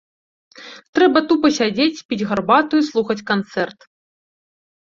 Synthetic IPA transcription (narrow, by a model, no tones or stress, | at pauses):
t̪ɾɛbɐt̪upɐsʲad͡zʲet͡sʲpʲit͡sʲɣɐrbat̪uislˠuxɐt͡sʲkant̪sɛrt̪